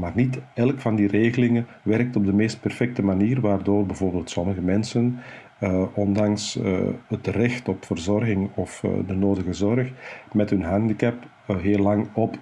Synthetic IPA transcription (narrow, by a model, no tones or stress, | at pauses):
maːrnitɛlkfɑndireːɣəlɪŋən | ʋɛɾk̚tɔb̚dəmeːst̚pɛrfɛk̚təmaniːrʋaːrdoːrbəvoːrbeːlˠtsɔməɣəmɛnsən | ɔndɑŋsɦətrɛxtɔpfərzɔrɣɪŋɔfdənoːdəɣəzɔrxmɛtɦɵnɦɑndikɛp | ɦeːlːɑŋɔp